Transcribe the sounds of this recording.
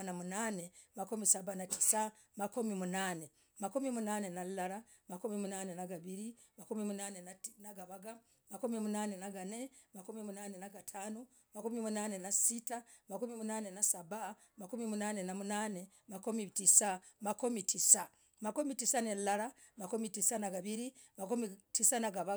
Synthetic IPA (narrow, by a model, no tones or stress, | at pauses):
namunanemakumisabanati̥sa | makumimunane | makumimunane̞nallaɾa | makumimunane̞naɡaβiɾi | makumimunanenanaɡaβaɡa | makumimunanenaɡane̞makumimunanenaɡatʰanu | makumimunaːne̞nasitamakumimunaːne̞nasaba | makumimunaːne̞namunaːne̞ | makomitisa | makomitʰisa | makumitisanellaɾa | makumitisanaɡaβiɾi | makumitisanaɡaβa